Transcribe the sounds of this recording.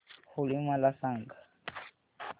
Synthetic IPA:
hulimalasaːŋɡa

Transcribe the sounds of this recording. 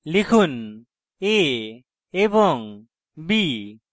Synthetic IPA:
likʰun | e | ebɔŋ | bi

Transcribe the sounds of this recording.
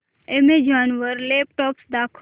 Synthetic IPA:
emed͡ʒaːnʋəɾleːp̚ʈɔːpsd̪aːkʰ

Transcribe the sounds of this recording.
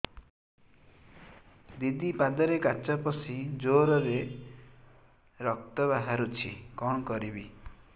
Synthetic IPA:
d̪id̪ipad̪ɔɾekat͡ʃɔpɔsid͡ʒoɾɔɾe | ɾɔk̚t̪ɔβaɦaɾut͡ʃʰikɔɳ̃ɔkɔɾibi

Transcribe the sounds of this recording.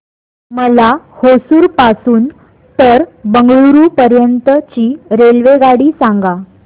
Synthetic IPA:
məlahosuːɾpasuːn | t̪əɾbəŋɡɭuɾupəɾjənt̪ət͡ɕiːɾelʋeɡaɽiːsãŋɡa

